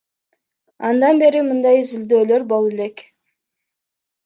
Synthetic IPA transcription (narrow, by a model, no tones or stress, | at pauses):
ɑnd̪ɑnbe̞ɾimɯnd̪ɑjizɪld̪øːlø̞ɾbo̞lˠele̞k